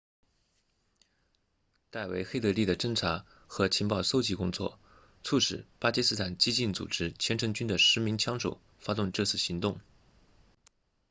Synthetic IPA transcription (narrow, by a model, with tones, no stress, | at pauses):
t̪a˥˩ɪwe˧˥ɪxe˥˧ɪɤ˥˧li˥˩d̪ə˩ʈ͡ʂɤ˥ŋʈ͡ʂʰa˧˥ | xɤ˧˥t͡ɕʰi˧˥ŋpɑ˥˩ʊso˥ʊt͡ɕi˥˧kʊ˥ŋt͡swɔ̰˥˩ | t͡sʰu˥˩ʂɻ̩˨˩pa˥t͡ɕi˥sɹ̩˥t̪ʰa˨˩nt͡ɕi˥t͡ɕi˥˩nt͡sṵ˨˩ʈ͡ʂɻ̩˥t͡ɕʰjɛ˧˥nʈ͡ʂʰɤ˧˥ŋt͡ɕy˥nd̪ə˨ʂɻ̩˧˥mi˧˥ŋt͡ɕʰjɑ˥ŋʂo˨˩ʊ | fa˥t̪ʊ˥˧ŋʈ͡ʂɤ˥˧t͡sʰɹ̩˥˩ɕi˧˥ŋt̪ʊ˥˩ŋ